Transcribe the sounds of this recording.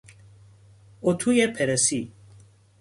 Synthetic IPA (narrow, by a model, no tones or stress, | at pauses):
ot̪ʰujepʰɛɾesi